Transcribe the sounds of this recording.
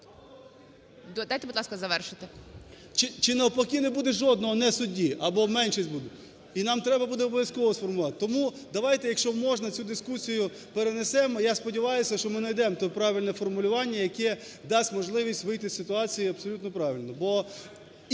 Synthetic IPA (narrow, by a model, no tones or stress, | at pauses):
d̪d̪ajt̪ɛbudlˠɑskɐzɐʋɛrʃɪt̪ɪ | t͡ʃɪt͡ʃɪnɐɔpɔkʲinɛbud̪ɛʒɔd̪̚nɔɦɔnɛsʊdʲiʔɐbɔmɛnʃisʲtʲbud̪ɛ | inɑmt̪ɾɛbɐbud̪ɛɔbɔʋʲjɐskɔʋɔsfɔrmʊlˠʋɑt̪t̪ɔmu | d̪ɐʋɑjt̪ɛjɐkʃt͡ʃɔmɔʒnɐt͡sʲud̪ɪskusʲijʊ | peɾenesɛmɔjaspɔdʲɪʋɑjʊsʲɐʃt͡ʃɔmɪnɐjd̪ɛmt̪ɔpɾɑʋʲilʲnɛfɔrmʊlʲʊʋɑnʲːɐjɐkɛ | d̪ɑsʲtʲmɔʒlˠɪʋʲisʲtʲʋɪjt̪ɪssɪt̪ʊɑt͡sʲijiɐbsɔlʲut̪nɔpɾɑʋʲilʲnɔbɔ